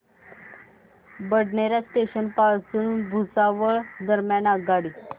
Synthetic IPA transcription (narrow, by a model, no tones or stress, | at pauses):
bəɽɳeɾjasʈeɕənpald͡zəɽ̃uːnbʱut͡saʋəɭd̪əɾmjanaɡaɽiː